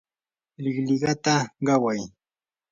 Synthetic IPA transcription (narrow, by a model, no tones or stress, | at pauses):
lɪχlɪɢɑt̪aɢɑwaj